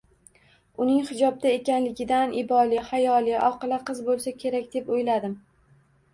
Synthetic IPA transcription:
ʊnɪŋhɪd͡ʒɒb̚d̪aekʲanlɪɡʲɪd̪anʔɪbɒlɪhajɒlˠɪʔɒqɨlˠaqɨzbolˠsakʲʰe̞ɾakʲd̪e̞pojlad̪ɪm

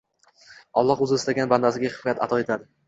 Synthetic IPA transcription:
ɒlˠːɒqʊzɪɪst̪aɡʲanband̪asɪɡʲaχɪ̥fɒjat̪ʰat̪ʰɒe̞t̪ʰad̪ɪ

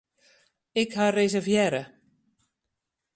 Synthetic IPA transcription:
ɪkharezɛrvjɛɾə

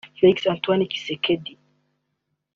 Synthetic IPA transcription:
feiksant̪waniki̥sekʰedi

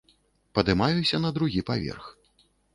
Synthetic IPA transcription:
pɐd̪ɨmajusʲɐn̪ɐd̪ɾuɣʲipavʲɛ̰rx

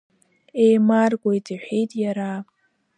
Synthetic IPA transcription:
ejmarɡʷʼojtʰʼiħʷᶣejtʼjaɾapʼ

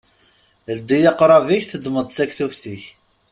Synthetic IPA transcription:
ld̪ijɑqɾˤɑviçθəd̪məd̪ˤθækθufθiç

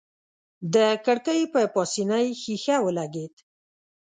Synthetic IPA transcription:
d̪əkəɽkəjpəpɑsinəjxixawəlaɡed̪

